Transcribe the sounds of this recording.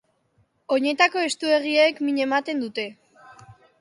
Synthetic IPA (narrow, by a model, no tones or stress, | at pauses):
o̞ɲe̞t̪ako̞e̞st̪ue̞ɣ̞iekmiɲe̞mat̪e̞nd̪ut̪e̞